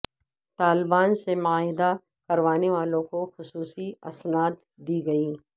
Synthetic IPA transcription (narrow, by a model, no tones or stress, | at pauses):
t̪aːlbaːnsemʊaːɦɪd̪a | kɐɾʋaːneʋaːlõkoxʊsuːsiɐ̰snaːt̪ | d̪iːɡɐiː